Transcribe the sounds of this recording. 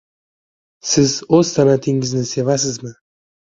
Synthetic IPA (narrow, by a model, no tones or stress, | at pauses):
sɪzozt̪ʰanat̪ʰɪŋɪznɪse̞vasɪzmɪ